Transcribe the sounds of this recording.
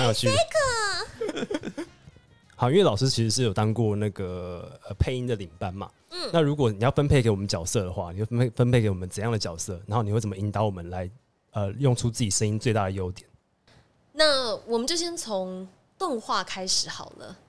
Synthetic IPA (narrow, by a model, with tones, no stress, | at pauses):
jɑ˥˧t͡ɕʰy˥˨kə˨˩ | ɑ˨ʊi˥nwe˥˩lɑ˨˩ʊʂɻ̩˥t͡ɕʰi˧˥ʂɻ̩˧˥ʂɻ̩˥˩jo˨˩t̪ɑ˥ŋkwɔ˥˧na˥˩ɡə˩ə˨˩pʰe˥˧ɪi˦˥nd̪ə˨li˨˩ŋpa˥nma̰˨˥˩na˥˨ɻu˧˥k̬wɔ˨˩˦ni˨˩jɑ˥˩ʊfə˦˥npʰe˥˩ɪke˧˥ɪwɔ˨˩mə˦nt͡ɕjɑ˨˩ʊsɤ˥˩d̪ə˩xwa̰˥˩ni˨˩xwe˥˩˥e˥˩fə˥npʰe˥˩ɪke˧˥ɪwɔ˨˩mə˦nt͡sə˨˩˦jɑ˥˩ŋd̪ə˨t͡ɕjɑ˨˩ʊsɤ˥˨na˧˦nxo˥˩ni˨we˥˩t͡sə˨˩mə˦˨i˧˥nt̪ɑ˨˧˦wɔ˨˩mə˦nla˧˦ɪ | ə˨jʊ˥˩ŋʈ͡ʂʰu˦t͡sɹ̩˥˩t͡ɕi˨˩ʂə˥ŋi˦˥nt͡swe˥˧t̪a˥˩d̪ə˩jo˧˥ʊt̪jɛ˨˩˦n | na˥˨wɔ˨˩mə˦nt͡ɕjo˥˩ɕjɛ˥nt͡sʰo˧˦ŋ | t̪ɔ˥˧ŋxwa˥˩kʰa˥ɪʂɻ̩˨˦xɑ˨˩ʊlə̰˦